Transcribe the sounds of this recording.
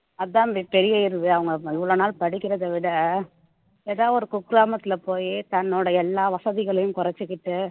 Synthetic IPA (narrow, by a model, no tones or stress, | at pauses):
ɐððãːʋɪpɛɾɪjaːɪɾɯðɯɐʋɐŋɡɐɪʋːɐɭonaːlpɐɽɪkʲːɪɾɐðɐʋɪɽɐ | eːðaːɔɾɯkʊkɾaːmɐt̪ːɪlɐpoːjit̪ɐnːɔːɽɐɛlːaːʋɐsɐðɪɣɐɭɐjɯmkʊrɐt͡ʃːɯkːɪʈːɯ